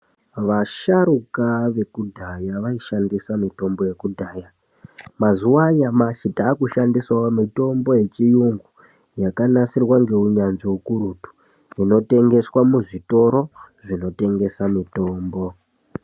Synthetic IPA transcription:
ʋaʃaɾukaʋe̞kudʱajaʋaiʃandisamito̞mbo̞je̞kudʱaːja | mazuwajamaʃitaːkuʃandiswaomito̞mbo̞je̞t͡ʃijuŋɡu | jakanasirwaŋɡe̞uɲanʐiukuɾutu̥ | ino̞te̞ŋɡe̞swamuʐito̞ɾo̞ʐino̞te̞ŋɡe̞samito̞ːmbo̞

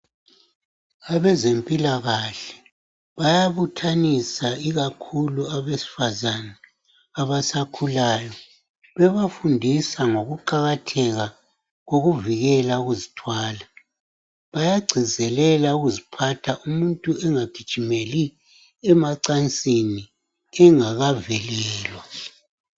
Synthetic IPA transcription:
aβɛzempʼilaɣaɬɛ̥ | βajaβutʰanisaiɣakʰuluaβesi̥fazanaː | βasakʰulaːjɔ | βɛβafundʱisaŋoɣuǃaɣatʰɛɣa | ɣoɣuviɣɛlauɣuzitʰwaːla | βajaɡ͡ǀʱizɛlɛlauɣuzipʰatʰaʔumuntʼuɛŋaɡ̥ʱid̥ʒ̥ʱimeli | ɛmaǀant͡sʼini | ɛŋaɣavɛlɛːlwa

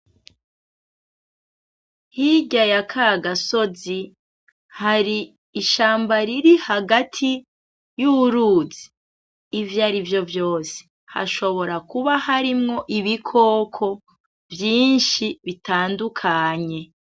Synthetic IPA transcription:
hiɟajakʰaɡaso̞zi | haɾiː | ʃaːmbaɾiɾihaɡatʰi | juɾuzi̥ː | vjaɾivjo̞vjo̞ːse̥ | ha̰ʃo̞βo̞ɾakuβahaɾimŋo̞ʔiβikʰo̞ːkʰo̞ | vjiːnʃiβitaːndukʰaɲe̞

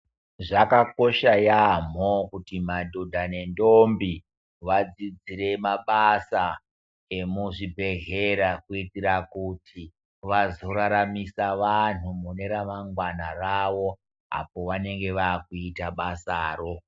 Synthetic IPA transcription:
ʐakako̞ʃajam̤okutimadʱodʱane̞ndombi | ʋad͡zid͡ziɾe̞maɓasa | e̞muʐibʱe̞ɣeɾakuitiɾakutʰi | ʋazo̞ɾaɾamisaʋan̤umune̞ɾamaŋɡwanaraʋo̞ | a̰po̞ʋane̞ŋɡe̞ʋaːkuitaɓasaːro̞

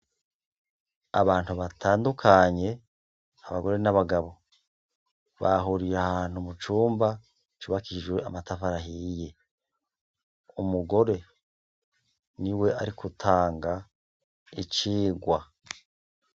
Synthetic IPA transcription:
a̰βaːnhuβatʰaːndukʰaɲe̞ | aβaɡo̞ɾe̞naβaɡaβo̞ | βaɦuɾijeahaːn̥humut͡ʃuːmba | t͡ʃuβakiiʒwe̞ʔamatafaɾaɦije̞ | umuɡo̞ɾe̞ | niwe̞ʔaɾikʰutʰaːŋɡa | it͡ʃiːɡwa

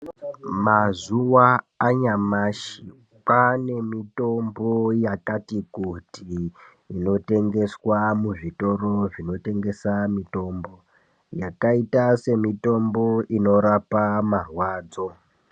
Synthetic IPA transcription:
mazuwaː | ɲamaʃi | pane̞mito̞mbo̞jakatikuti | ino̞te̞ŋɡe̞swamuʐito̞ro̞ʐino̞te̞ŋɡe̞samito̞ːmbo̞ | jakaitase̞mito̞mbo̞ino̞ɾapamarwaːd͡zo̞

